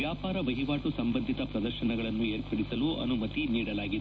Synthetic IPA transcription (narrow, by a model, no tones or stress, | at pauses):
ʋjaːpaːɾɐʋɐɦiʋaːʈusɐmbɐnd̪ʱit̪ɐpɾɐd̪ɐɾʃɐɳɐɡɐɭɐnːueːɾpɐɽisɐluʔɐ̰numɐt̪iniːɽɐlaːɡid̪